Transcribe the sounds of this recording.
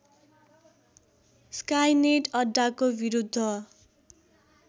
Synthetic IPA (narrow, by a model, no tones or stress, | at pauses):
skajneʈʌɖːakobiɾud̪ʱːʌ